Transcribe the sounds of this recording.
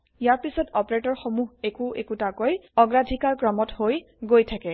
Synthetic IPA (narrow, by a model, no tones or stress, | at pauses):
ijaɹpisɔtɔpɹetɔɹxomuɦekuʔekutakojɔɡɹadʱikalkɹɔmɔthoj | ɡojtʰakɛ